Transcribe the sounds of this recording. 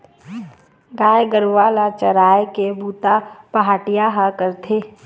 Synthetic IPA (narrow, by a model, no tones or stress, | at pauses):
ɡaːjɡəɾʋaːlat͡ʃəɾaːjkebuːt̪apɐɦaːʈijaɦakəɾt̪ʰeː